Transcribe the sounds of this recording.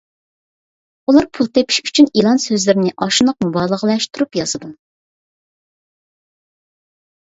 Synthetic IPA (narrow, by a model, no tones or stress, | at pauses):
ulˠɑɾpʰulˠt̪ʰepʰi̥ʃy̥t͡ʃʰynilˠɑnsøzlɪɾɪnɪʔɑʃunəq̚mubɑːlˠəʁəlˠɛʃt̪ʰuɾupjɑzɨd̪u